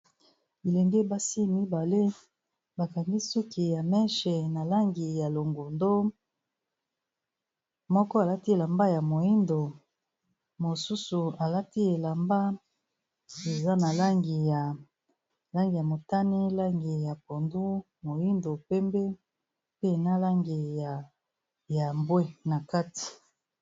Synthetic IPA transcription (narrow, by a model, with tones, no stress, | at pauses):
i˨lɛ˨ŋɡe˦ba˦si˦mi˦ba˨le˦ | ba˨ka˨ŋɡi˦sɔ˦ki˨ja˨mɛ˦ʃe˨na˨la˦ŋɡi˨ja˨lo˨ŋɡu˨ndo˦ | mɔ˦kɔ˦a˨la˦ti˦e˨la˨mba˦ja˨mo˨ji˦ndo˨ | mo˨su˦su˨a˨la˦ti˦e˨la˨mba˦ | e˨za˦na˨la˦ŋɡi˨ja˨ | la˦ŋɡi˨ja˨mo˨ta˦ni˦la˦ŋɡi˨ja˨po˨ndu˦ | mo˨ji˦ndo˨pɛ˦mbe˦ | pe˦˨na˦la˦ŋɡi˨ja˨ | ja˨mbwe˦na˨ka˦ti̥˨